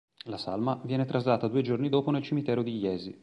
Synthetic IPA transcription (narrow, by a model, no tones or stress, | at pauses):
lasa̰lmavjɛːnet̪ɾazlaːt̪ad̪uːed͡ʒornid̪oːponelt͡ʃimit̪ɛːɾod̪ijɛːzi